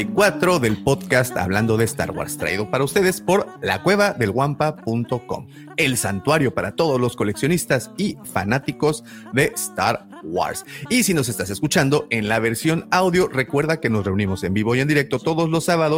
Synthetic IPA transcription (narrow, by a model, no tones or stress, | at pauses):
kwat̪ɾo̞ðe̞lpo̞ðkast̪a̰βland̪o̞ðest̪a̰ɾɣwa̰ɾst̪ɾa̰iðo̞paɾaust̪e̞ð̞e̞spo̞ɾla̰kwe̞β̞aðe̞lɣwampapunt̪o̞ko̞̰m | e̞lsant̪waɾjo̞paɾat̪o̞ðo̞zlo̞sko̞le̞ksjo̞nist̪asifa̰nat̪iko̞z | ðe̞st̪a̰ɾ | ɣwa̰ɾsisino̞s̬est̪ase̞skut͡ʃand̪o̞ʔenlaβe̞ɾsjo̞nawðjo̞re̞kwe̞ɾðake̞no̞sre̞unimo̞se̞mbiβ̞o̞ie̞nd̪iɾe̞k̚t̪o̞t̪o̞ðo̞zlo̞sːaβaðo